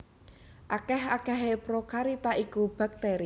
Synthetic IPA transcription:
ʔakɛhakɛɦepɾokaɾit̪aʔikub̥a̤k̚t̪eɾi

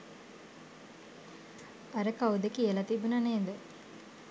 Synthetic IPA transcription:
ɐɾəkaud̪ekielɐt̪ibunɐneːd̪ə

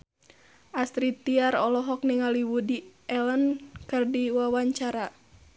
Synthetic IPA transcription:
ʔast̪ɾit̪iaɾɔlɔɦɔk̚niŋaliwudiɛlənkɨrdiwawaɲt͡ʃaɾa

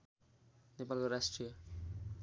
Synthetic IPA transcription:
nepalkoɾasʈrijʌ

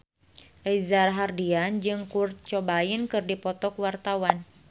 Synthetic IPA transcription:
rezarɦardiand͡ʒɨŋkurt̪̚t͡ʃɔbaɪnkɨrdipɔt̪ɔkwart̪awan

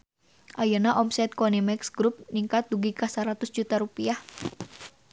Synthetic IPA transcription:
ʔajanaʔɔmsɛt̪̚kɔnimɛksɡɾup̚niŋkat̪̚duɡikasaɾat̪ʊsd͡ʒut̪aɾupiah

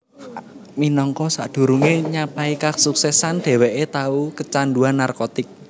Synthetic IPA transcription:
minɔŋkɔsad̪̥ṳɾuŋeɲapaikasuksɛsanɖ̥ɛ̤wɛʔet̪aukət͡ʃanɖuanːarkot̪ɪk̚

